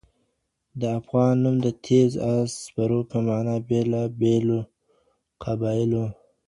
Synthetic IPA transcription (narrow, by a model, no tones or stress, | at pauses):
d̪əafɣɑːnːumd̪ət̪ʰezasbaɾopamɑːnabelɑbelo | qʰabɑilo